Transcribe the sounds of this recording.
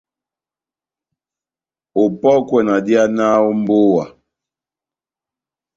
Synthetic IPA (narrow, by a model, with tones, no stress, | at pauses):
o˨pɔ˦kwɛ˨na˨di˦a˦na˦o˦m˦bo˦wa̰˨